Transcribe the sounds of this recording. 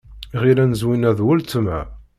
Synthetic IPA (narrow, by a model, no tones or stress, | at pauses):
ʁiɾænəzwinæðwʊlt̪ːəmæ̰